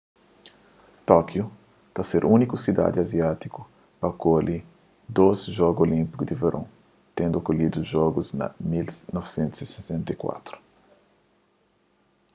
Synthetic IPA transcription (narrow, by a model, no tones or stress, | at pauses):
t̪ɔkju | t̪aseɾʔunikusid̪a̰d̪iɐziat̪iku | pɐkolʔi | d̪ozʒɔɡuolĩmpikud̪iveɾʔõ | t̪ẽnd̪uokolid̪uʒɔɡuznɐ̰milnɔvsẽnt̪uz̥iset̪ẽnt̪ɐjkwa̰t̪ɾu̥